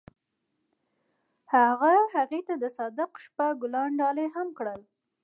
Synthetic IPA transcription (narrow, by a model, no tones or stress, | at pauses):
haɣahaɣet̪ad̪əsɑd̪ɪqʃpaɡʊlɑɳɖɑleɦamkɽəl